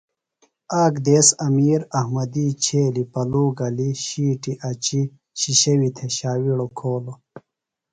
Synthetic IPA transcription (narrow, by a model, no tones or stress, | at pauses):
aːkd̪eːsɐmiːɾɐhmɐd̪it͡ɕʰeːlipɐluːɡɐliɕiːʈiʔɐt͡ɕi | ɕiɕɐwit̪ʰeɕaːwiɽokʰoːlo